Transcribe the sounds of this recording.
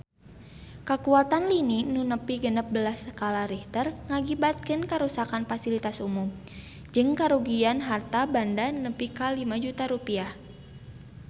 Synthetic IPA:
kəkuat̪anlininunəpiɡənəp̚bəlasəkalaɾiht̪ərŋaɡibat̪̚kənkəɾusakanfasilit̪asumum | d͡ʒɨŋkaɾuɡianɦart̪abandanəpikalimad͡ʒut̪aɾupiah

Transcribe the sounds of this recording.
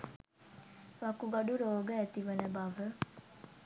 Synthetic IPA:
ʋakuɡaɖuɾoːɡəæt̪iʋənəbaʋə

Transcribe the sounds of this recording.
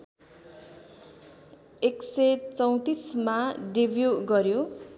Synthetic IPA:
eksʌjt͡sʌw̃t̪ismaɖibʱjuɡʌɾjo

